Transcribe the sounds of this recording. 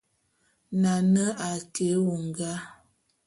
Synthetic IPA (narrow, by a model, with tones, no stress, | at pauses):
na˨nə˦ʔa˨tʰe˨˦wu˨ŋ˨ɡa˦